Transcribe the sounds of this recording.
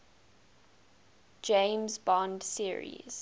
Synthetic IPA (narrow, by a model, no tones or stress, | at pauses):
d͡ʒẽmzbɔ̃ndsiəɹḭz̥